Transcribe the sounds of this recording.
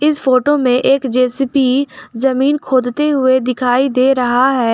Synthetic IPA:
ɪsfoːʈomẽʔeːkd͡ʒeːsipizɐmiːnkʰoːd̪t̪eɦʊed̪ɪkʰaːid̪eːɾɐɦaɦɛː

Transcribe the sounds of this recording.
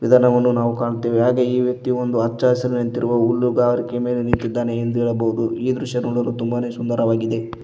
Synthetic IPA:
ʋid̪ʱaːnɐʋɐnːunaːʋukaːɭt̪eːʋeaːɡeiːʋjɐk̚t̪iond̪uɐt͡ʃːaːɐsɐɾinent̪iɾuʋɐulːuɡaːʋɐɾikeme̞ːlenint̪id̪ːaːneːnd̪uɦɛːɭɐbɐud̪uiːd̪ɾuʃjɐnuːɽɐlːut̪umbaːne̞sund̪ɐɾɐʋaːɡid̪e̞

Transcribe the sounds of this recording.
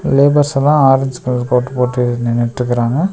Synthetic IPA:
leːbɐɾsɛlːãːaːɾɐɲd͡ʒkːɐnɾkoːʈːɯpoːʈːɯnɪnɛʈːɾɯkːɪɾaːŋɡɐ

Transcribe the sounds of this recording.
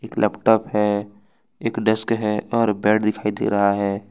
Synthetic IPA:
eːklʔɛːpʈɔːpɦɛ | eːkɖɪskɦɛɔːɾbɛːʈd̪ɪkʰaːid̪ḛɾɐɦaɦɛː

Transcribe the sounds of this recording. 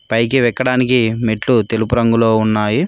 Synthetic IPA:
pɐjk̬iʋɛkːɐɽaːnikimeʈlut̪elupuɾɐŋɡuloːunːaːji

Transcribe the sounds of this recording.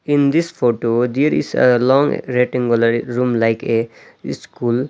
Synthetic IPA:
ĩnd̪isfoʈod̪eɾḭsḛlɔ̃ŋɾeʈĩŋɡɔləɾiɾũmlaɪkʰe | skul

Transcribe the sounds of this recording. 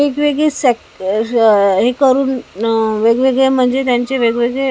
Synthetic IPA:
eɡʋeɡɭesɛk | ɦekəɾuːnʋeɡʋeɡɭem̤əɳd͡zet̪jaɲt͡ɕeʋeɡʋeɡɭe

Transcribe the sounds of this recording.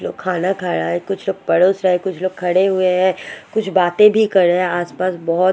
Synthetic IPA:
ʊlo̰ːɡ̚kʰaːnakʰaːɽaːɛkʊt͡ʃʰloːɡ̚pɐɽoːsɾəɦɛkʊt͡ʃʰloːɡ̚kʰɐɽeɦʊeɦɛ̃kʊt͡ʃʰbaːt̪ẽbʱikɐɾɦɛ̃aːspaːsbɔɦɔt̪

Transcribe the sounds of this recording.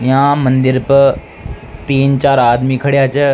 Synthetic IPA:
jãmənd̪iɾpə | t̪iːnt͡ɕaːɾad̪miːkʰəɽjat͡ɕə

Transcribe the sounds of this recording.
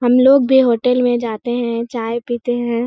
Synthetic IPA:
ɦɐmloːɡ̚bʱiɦoːʈəlmẽd͡ʒaːt̪eɦɛ̃t͡ʃaːjpiːt̪eɦɛ̃ː

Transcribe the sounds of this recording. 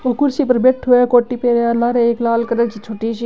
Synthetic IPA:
okʊɾsipəɾbeʈʰɦuekoːʈːipeɾalaɾeeːklaːlkɐɾəlt͡ʃit͡ʃʰoːʈit͡ʃi

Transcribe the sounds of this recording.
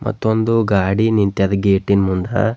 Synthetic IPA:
mʔɐ̰t̪ːond̪uɡaːɽinint̪jɐd̪ɐɡeːʈːinmund̪ɐ̰

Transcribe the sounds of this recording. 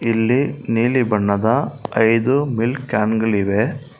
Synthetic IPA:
ilːiniːlibɐɳːɐd̪ɐɐjd̪umilkaːnɡɐɭiʋe

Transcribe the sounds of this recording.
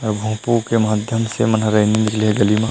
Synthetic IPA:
ɔɾbʱõːpukemɦad̪ʱjəmsemɐnɦaɾɐɦninikʰlɦɛɡəlimã

